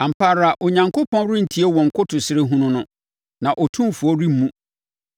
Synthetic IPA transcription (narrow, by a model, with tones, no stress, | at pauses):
a˨m̩˨pʰa˨ɾa˨ʔɔ˨ɲã˨ŋkʰo˦pʰɔ̃˦n˦ɾʊ̃˦n̩˨tʰi˦e˦wɔ̃˨ŋ̩˨kʰʊ˦tʰʊ˨sɪ˦ɾɪ˦ɦũ˦nʊ̃˦nʊ̃˦ | nã˨ʔɔ˨tʰũ˦fu˨ɔ˦ɾi˦m˦mũ˦